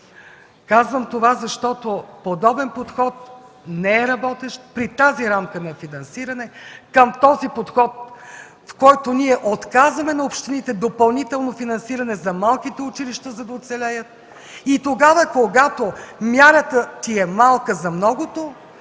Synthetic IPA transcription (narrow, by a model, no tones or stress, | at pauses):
kazvəmt̪ovazɐʃt̪ɔt̪opod̪ɔbɛnpot̪xɔt̪̚ | nɛɛɾɐbɔt̪ɛʃt̪̚pɾit̪aziɾamkənɐfinɐnsiɾɐnɛkəmt̪ɔzipot̪xɔt̪̚ | fkɔjt̪oniɛʔot̪kazvɐmɛnɐopʃt̪init̪ɛd̪opɐlˠnit̪ɛlˠnofinɐnsiɾɐnɛzɐmalˠkit̪ɛʊt͡ʃiliʃt̪əzɐd̪ɐot̪sɛlʲɛjət̪̚ | it̪oɡavəkoɡat̪omʲjaɾət̪ət̪iɛmalˠkəzɐmnɔɡot̪o